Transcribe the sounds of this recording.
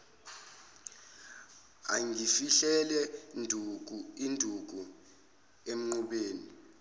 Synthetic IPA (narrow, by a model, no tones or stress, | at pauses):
a̰ŋʱifiɬɛlɛndʱuk̬ʼuindʱuk̬u | em̩ŋ͡ǃuɓeːni